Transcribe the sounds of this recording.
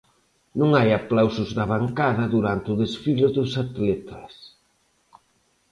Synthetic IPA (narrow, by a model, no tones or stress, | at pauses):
nũŋajaplawsʊzðɐβ̞aŋkaðɐðuɾant̪ɪʊðesfilʊðʊsat̪lɛt̪ʰɐ̥s